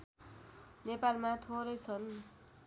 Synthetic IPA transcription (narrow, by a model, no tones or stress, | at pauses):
nepalmat̪ʰoɾʌjt͡sʰʌn